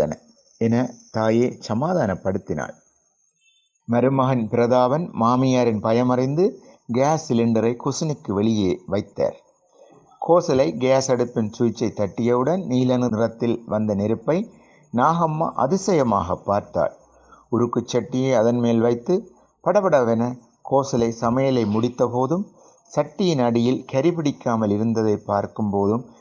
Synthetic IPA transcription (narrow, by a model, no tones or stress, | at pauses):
ɐnɐ | ɛnɐt̪aːjeːsɐmaːðaːnɐpːɐɽɯt̪ːɪna̰ːɭ | mɐɾɯmɐɣɐnpɪɾɐðaːʋɐnmaːmɪjaːɾɪnpɐjɐmɐɾɪnd̪ɯɡaːsɪlɪɳɖɐɾɐɪkʊsɪnɪkːɯʋɛɭɪjeːʋɐɪt̪ːa̰ːɾ | kʰoːsɐlɐɪɡaːsɐɽɯpːɪnsuːjɪt͡ʃːɐɪt̪ːɐʈːɪjɐʋɯɽɐnniːlɐnɯnɪrɐt̪ːɪlʋɐnd̪ɐnɛɾɯpːɐɪ | naːɣɐmːɐ̰ʔɐ̰ðɪsɐjɐma̰ːɣɐpːaːɾt̪a̰ːɭ | ʊɾɯkːɯt͡ʃːɐʈːɪjɐːɐðɐnmeːlʋɐɪt̪ːɯ | pɐɽɐpɐɽɐʋɛnɐ | kʰoːsɐlɐɪsɐmɐjɐlɐɪmʊɽɪt̪ːɐpoːðɯm | sɐʈːɪjɪnɐɽɪjɪlkɐɾɪpɪɽɪkːaːmɐlɪɾɯnd̪ɐðɐɪpːaːɾkɯmpoːðɯm